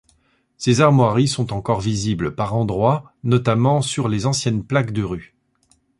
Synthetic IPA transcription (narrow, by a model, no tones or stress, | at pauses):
sezaʁmwaʁisɔ̃t̪ɑ̃kɔʁvizibləpaʁɑ̃d̪ʁwa | nɔt̪amɑ̃syʁlezɑ̃sjɛnplakd̪əʁy